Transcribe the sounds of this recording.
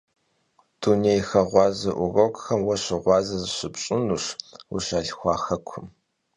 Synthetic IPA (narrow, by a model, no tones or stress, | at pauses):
d̥unejxɐʁʷɑːzɐʔʊrɐkʼxɐmwɐɕɪʁʷɑːzɐzɨɕɪpɕʼɪnuʂwṵɕaːɬxʷɑːxɐkʷʰʊm